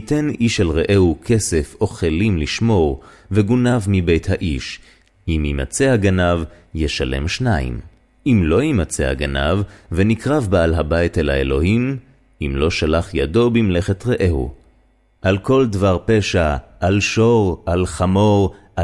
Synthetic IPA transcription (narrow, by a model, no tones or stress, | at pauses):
hiteniʃalʁeʔehukʰesefoχelimliʃmo̞ʁ | veɡunavmibejthaʔiʃ | ʔimima̰t͡seaɡanav | jeʃale̞̰mʃnaḭm | ʔimlo̞imat͡sea̰ɡana̰vːenikʁavbealɦabajtelaelo̞̰him | ʔimlo̞ʃalaχjado̞bimleχetʁeʔehṵ | ʔalko̞ldvaʁpeʃaʔalʃoʁalχamo̞ʁʔa